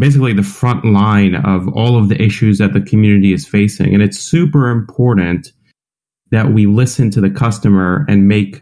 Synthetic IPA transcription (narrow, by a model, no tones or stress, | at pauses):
b̥eɪs̬ɨkliðɨfɹʌ̃nʔlãɪ̃nʌ̰vɔ̰lˠʌvðiʔɪʃʉzðɨt̪̚ðɨkʰmjʉnɨɾiɨz̥feɪsɪ̰̃ŋɨ̃ñɨtsʉpə˞ɨ̃mpʰɔɹʔn̩ | ðɨʔ̚wilɪsɨ̃ntʰɨðɨkʰʌstɨmə˞ɨ̰̃nmeɪk